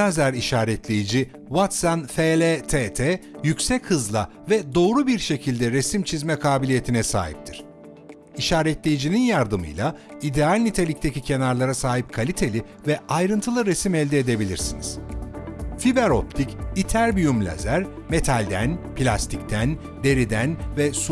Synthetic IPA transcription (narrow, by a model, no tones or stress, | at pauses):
azæɾiʃaːɾɛt̪lʲejid͡ʒi | wat̪sanfelʲet̪ʰet̪ʰɛjycʲsɛchɯzlˠa | vɛd̪o̞ːɾubiɾʃe̞cʰilʲd̪ɛɾesimt͡ʃʰizmɛkʰaːbilʲije̞t̪ʰinɛsa̰ːɦḭp̚t̪ʰiɾ̥ | iʃaːɾɛt̪lʲejid͡ʒininjaɾd̪ɯmɯ̰jlˠaid̪ealʲnit̪ʰelʲic̚t̪ʰecicʰe̞naɾlˠaɾasaːɦip̚kʰalʲit̪ʰe̞lʲi | vɛajɾɯnt̪ʰɯlˠɯɾesimɛlʲd̪ɛːd̪e̞bilʲḭɾsinḭz̥ | fibɛɾo̞p̚t̪ʰicit̪ʰæɾbyjumlʲa̰zæɾ | me̞t̪ʰalʲd̪æ̰npʰilʲa̰st̪ʰic̚t̪ʰæn | d̪e̞ɾid̪ænvɛsu